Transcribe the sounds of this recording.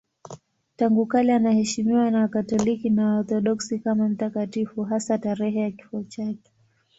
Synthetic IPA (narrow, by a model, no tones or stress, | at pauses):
taŋɡukalianahɛʃimiwanawakatɔlikinawaɔɾθɔɗɔksikamam̩takatifuɦasataɾɛɦɛjaki̥fɔt͡ʃakɛ̥